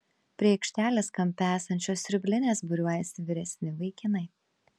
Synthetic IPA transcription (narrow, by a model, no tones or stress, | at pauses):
pʲɾʲiɛɪkʃʲt̪ʲæːlʲeːskɐmʲpʲæːsɐnʲt͡ʃʲoːsɾʲʊbʲlʲɪnʲeːsbʊɾʲuɔjɛsʲɪʋʲɪɾʲɛsʲnʲɪʋɐɪkʲɪnɐɪ